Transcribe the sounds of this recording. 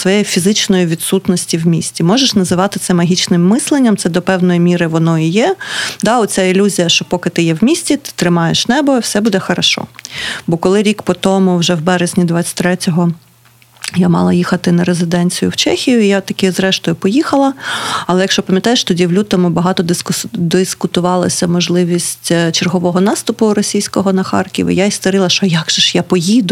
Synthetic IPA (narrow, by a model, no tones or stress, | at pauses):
sʋɔjejfʲizɪt͡ʃnɔjiʋʲid̪sut̪nɔsʲtʲiwmʲḭsʲtʲimɔʒeʃnɐzɪʋɑt̪ɪt̪sɛmɐɦʲit͡ʃnɪmːɪslˠenʲːɐmt̪sɛd̪ɔpɛwnɔjimʲiɾɪʋɔnɔijɛd̪ɑɔtt͡sʲailʲuzʲijɐʃt͡ʃɔpɔkɪt̪ɪjɛwmʲisʲtʲit̪ɪ̥t̪ɾɪmɑjeʃnɛbɔwsɛbud̪ɛxɐɾɐʃɔ̰bɔkɔlˠɪɾʲikpɔt̪ɔmʊwʒɛwbɛɾezʲnʲid̪ʋɑt͡sʲɐ̥tʲt̪ɾɛtʲɔɦɔ | jamɑ̰lˠɐjixɐt̪ɪnɐɾezɪd̪ɛnʲt͡sʲijʊwt͡ʃɛxʲijʊijat̪ɐkɪzɾɛʃt̪ɔjʊpɔjixɐlˠɐɐlˠɛjɐkʃt͡ʃɔpɐmʲjɐt̪ɑjeʃt̪ɔdʲiwlʲut̪ɐmʊbɐɦɑt̪ɔd̪ɪd̪ɪskʊt̪ʊʋɑlˠɐ̰sʲɐmɔʒlˠɪʋʲisʲtʲt͡ʃerɦɔʋɔɦɔnɑst̪ʊpʊɾɔsʲijsʲkɔɦɔnɐxɑrkʲḭʋḭjaist̪ɔɾɪlˠɐʃɔjaɡʒɛʃjapɔjid̪ʊ